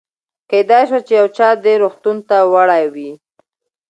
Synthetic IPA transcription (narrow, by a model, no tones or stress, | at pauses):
ked̪ɑjʃwat͡ʃejawt͡ʃɑd̪eɾoxt̪unt̪awaɽajwi